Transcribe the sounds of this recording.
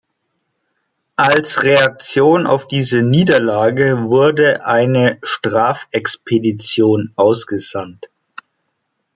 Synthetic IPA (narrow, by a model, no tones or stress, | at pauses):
ʔalsʁeak̚t͡sjoːna̰ʊfd̥iːzəniːdɐlaːɡəvʊɐdəʔaɪnəʃtʁ̥aːfɛkspʰedit͡sjoːnʔaʊsɡ̥əzant